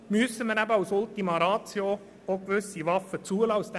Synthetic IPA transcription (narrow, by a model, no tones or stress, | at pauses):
məsəmənæbəasʊlt̪imɑɾɑːt̪t͡sjo | okvʏsivɑfət͡suəlɑʊst̪